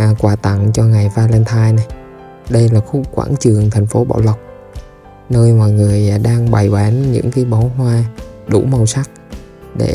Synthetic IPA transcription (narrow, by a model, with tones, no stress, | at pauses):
kwaː˨˩t̪a̰˧˨ŋt͡ɕɔ˧ŋa˨˩jvaː˧lɛ˧nt̪ʰaː˧jna˨˩j | ɗə˧jlaː˨˩xu˧˥kwa̰ː˧˩nt͡ɕɨ˨˩əŋt̪ʰɛ˨˩jŋ̟fo˨˦ɓa̰ː˧˨wlə˨˩wk͡p̚ | nəː˧jmwa̰ː˧˨jŋɨ˨˩əjɗaː˧ŋɓa˨˩jɓaː˨˦nɲɨ̰˧˥ŋkaː˨˦jɓa˨˦wɦwaː˧ɗṵ˧˩˥mə˨˩wsa˦˥k̚ | ɗḛ˧˩